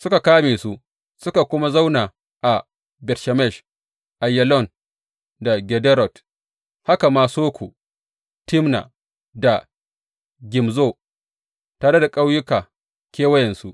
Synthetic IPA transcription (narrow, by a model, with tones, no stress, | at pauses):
sʊ˦ka˨kaː˦meː˨su˦ʔ | sʊ˦ka˨kʷʊ˦ma˦za˦wna˨ | ʔa˨ | bɛ˨tʃɛ˨mɛ˦˨ʃ | ʔa˨jːɛ˨lɔ˦˨n | da˨ɡʲɛ˨dɛ˦ɾɔ˨t | ha˦ka˨maː˦soː˦kʷu˨ | tɪ˦mna̰˨ | da˨ | ɡʲɪ˨mzoː˦˨ | taː˨ɽe˦da˨kʼa˦wjʊ˦kaː˨ | kʲeː˦wɐ˦jɛ˨nsu˦ʔ